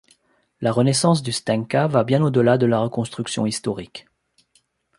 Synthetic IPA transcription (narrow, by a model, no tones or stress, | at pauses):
laʁənɛsɑ̃s̬d̪yst̪ɛ̃ŋkavabjɛ̃nod̪əlad̪əlaʁəkɔ̃st̪χyksjɔ̰̃ist̪ɔʁik